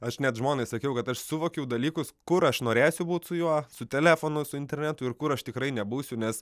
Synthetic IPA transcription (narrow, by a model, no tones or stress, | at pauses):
ɐʃnʲɛt̪ʒmoːnɐɪsɐkʲɛʊkɐt̪ɐʃsʊʋoːkʲɛʊd̪ɐlʲiːkʊskʊɾɐʃnoːɾʲæːsʲʊbuːt̪sʊjuɔsʊt̪ʲɛlʲæːfoːnʊsʊɪnʲt̪ʲɛrʲnʲæt̪ʊɪrkʊɾɐʃt̪ʲɪkɾɐɪnʲɛbuːsʲʊnʲɛs